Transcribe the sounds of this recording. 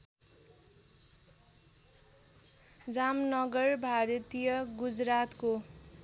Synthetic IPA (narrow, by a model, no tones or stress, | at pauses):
d͡zamnʌɡʌrbʱaɾʌt̪ijʌɡud͡zrat̪ko